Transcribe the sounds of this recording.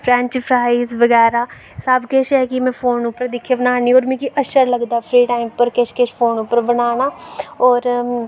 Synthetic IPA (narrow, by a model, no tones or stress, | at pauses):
pʰɾɛ̃ːɲt͡ʃpʰɾaːisʋəɡɛːɾaː | saːbkeʃɦɛːkɪmɛ̃ːpʰoːnʊpːəɾd̪ɪkʰːeːbənaːniːoːɾmɛ̃ːkiʔəʃəɾləɡd̪aːpʰɾiːʈaːɪmpəɾkeʃkeʃpʰoːnʊpːəɾbənaːnaːɔːɾ